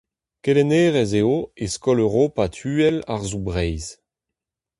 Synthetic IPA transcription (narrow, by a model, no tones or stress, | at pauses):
kelɛneːʁɛzeoeskɔløʁopat̪ʰyːɛla̰ʁzubʁɛjz